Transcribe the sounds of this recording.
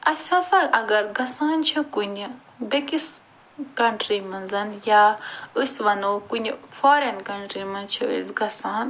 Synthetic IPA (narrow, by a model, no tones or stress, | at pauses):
ɐsʲasaʔɐɡɐɾɡɐsaːnt͡ʃʰukunʲi | bekis | kɐɳʈɾimɐnzɐnjaːɨsʋɐnokunʲifʰoːɾɐnkɐɳʈɾimɐnt͡ʃʰuḭsɡɐsaːn